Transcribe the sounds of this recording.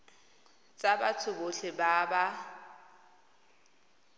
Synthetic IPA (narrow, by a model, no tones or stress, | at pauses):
t͡sʼabat͡sʰʊboɬɪbaːba